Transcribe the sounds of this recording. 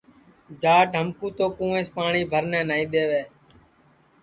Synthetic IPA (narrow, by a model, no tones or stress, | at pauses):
d͡ʒaːʈəmkũːt̪oːkũːẽːspaːɳiːbʱəɾnɛ̃ːnaːĩːɗ̪eːʋeː